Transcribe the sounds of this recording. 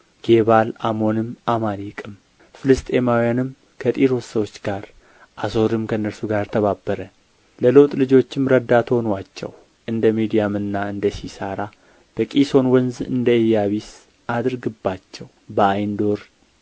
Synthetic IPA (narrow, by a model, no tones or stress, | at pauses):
ɡ̥e̞βalamo̞nɨmʔamalikʼɨm | fɨlɨst̪ʼemawijanɨm | kʰət̪ʼiɾo̞ssəwo̞t͡ʃːɡaɾ | ʔaso̞ɾɨmkʰənːəɾsuɡaɾt̪ʰəβabːəɾə | ləlo̞t̪ʼlɨd͡ʒo̞t͡ʃːɪmɾəd̪ːat̪ʰonwat͡ʃːɛ̰w | ʔɨnd̪əmid̪ijamɨnːaɨnd̪əsisaɾa | b̥əkʼiso̞nwənzɨ̰nd̪əɨjːaβis | ʔad̪ɨɾɡɨbːat͡ʃːɛw | bəajnd̪o̞ɾ